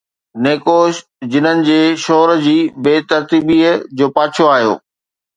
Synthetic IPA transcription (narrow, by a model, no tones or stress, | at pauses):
neːkoːʃ | d͡ʑɪnənɪ̆d͡ʑeːʃɔːɾd͡ʑiːbeːt̪ɐɾt̪iːbiːd͡ʑoːpaːt͡ɕʰoaːɦijo̰ː